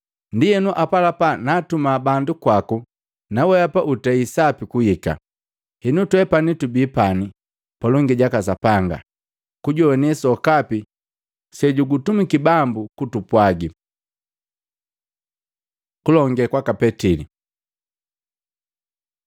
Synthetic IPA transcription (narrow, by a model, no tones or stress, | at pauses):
ndijɛnuʔapalapanaːtumabandukwaku | nawɛapaʔutɛisapikuhika̰ | hinutwɛpanitubiːpani | palɔŋɡiɟakasapaŋɡa̰ | kuɟɔwɛnisɔkapi | sɛɟuɡutumikibambukutupwaɡi | kulɔŋɡɛkwakapɛtili